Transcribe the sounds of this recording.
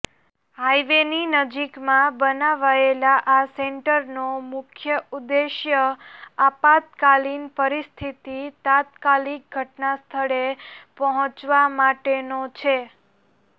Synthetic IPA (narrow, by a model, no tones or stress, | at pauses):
ɦajʋeninəd͡ʒikmãbənaʋaelaʔaseɳʈəɾnomʊkʰjəud̪eʃjəapat̪kalinpəɾist̪ʰit̪it̪at̪kalik̚ɡʱəʈnast̪ʰəɭepəɦɔ̃t͡ʃʋamaʈenot͡ʃʰe